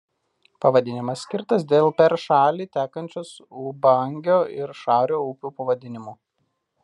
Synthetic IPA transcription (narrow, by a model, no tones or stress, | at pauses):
pɐʋɐd̪ʲɪnʲɪmɐsːʲkʲɪɾt̪ɐs̬d̪ʲeːlˠpʲɛɾʃɑːlʲiːt̪ʲæːkɐnʲt͡ʃʲoːs | uːbɐŋʲɡʲoːɪɾʃɑːɾʲoːʊpʲuːpɐʋɐd̪ʲɪnʲɪmuː